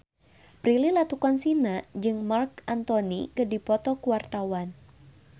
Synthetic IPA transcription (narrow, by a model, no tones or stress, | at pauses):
pɾililat̪ukɔnsinad͡ʒɨŋmark̚ant̪ɔnikɨdipɔt̪ɔkuwart̪awan